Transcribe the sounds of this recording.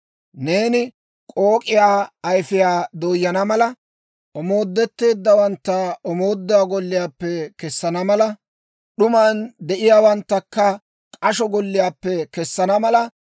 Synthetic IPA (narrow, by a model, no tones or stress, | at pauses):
ne̞ːnɪ | kʼoːkʼɪjaːɐjfɪjaːd̪oːjːɐnɐmɐlɐ | ʔɔmo̞ːd̪ːɛt̪ːe̞ːd̪ːɐwɐnt̪ːɐɔmo̞ːd̪ːɔaːɡɔlːɪjaːpːɛkɛsːɐnɐmɐlɐ | ɗʊmaːnd̪ɛʔɪjaːwɐnt̪ːɐkːɐ | kʼɐʃɔɡɔlːɪjaːpːɛkɛsːɐnɐmɐlɐ